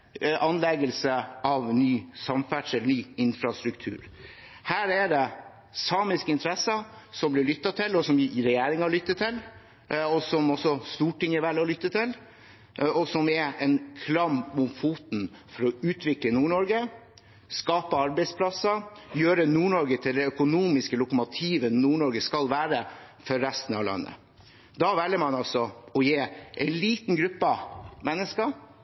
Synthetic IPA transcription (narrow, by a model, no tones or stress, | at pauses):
ʔɑnlɛɡəlsəʔɑʋnyːsɑmfæʈʂəlɳyːɪnfɾɑst̪ɾʉkt̪ʰʉ̰ːɾ | hæːɾɛd̪ɛ | sɑːmɪskəɪnt̪ʰəɾɛsːəsɔmblɪɭʏt̪ːɑt̪ʰɪlːɔsɔmɾɛjeːɾɪŋɑɭʏt̪ːət̪ʰɪl | ɔsɔmɔsɔst̪uːʈɪŋəʋɛlːɔlʏt̪ːət̪ʰɪl | ɔsɔmɛɛnkʰlɑmmʊmfuːt̪n̩fɔɾɔʉːt̪ʰʋɪklənuːɳɔɾɡə | skɑːpəɑɾbæɪspʰlɑsəjøːɾənuːɳɔɾɡət̪ʰɪld̪ɛœkʊnuːmɪskəlʊkəmʊt̪ʰiːʋənuːɳɔɾɡəskɑlʋæːɾə | fɔɾːæst̪ən̩ɑ̰ʋlɑ̰nːə̰ | d̪ɑʋɛlːəmɑnɑlsɔɔjeːʔɛɪnliːt̪nɡɾʉpːəmɛnːəskə